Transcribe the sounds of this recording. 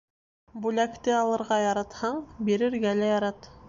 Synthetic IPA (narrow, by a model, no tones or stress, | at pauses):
bulækt̪ɘɑlˠɤ̆ɾʁɑjɑɾɑt̪hɑɴbiɾɘ̆ɾɡælæjɑɾɑt̪